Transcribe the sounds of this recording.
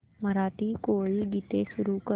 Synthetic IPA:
məɾaːt̪ikoːiɡiːt̪esʊɾukə

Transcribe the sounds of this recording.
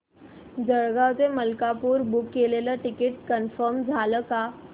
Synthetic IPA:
d͡ʒəɽɡateməlkapuːɾbukːeleləʈɪkɪʈ̚kənfəɾmd͡zʱaːləka

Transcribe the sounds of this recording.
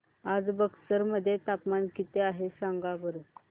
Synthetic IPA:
ad͡zbəksəɾməd̪ʱːjet̪akmankit̪eaɦesaŋɡabəɾuk

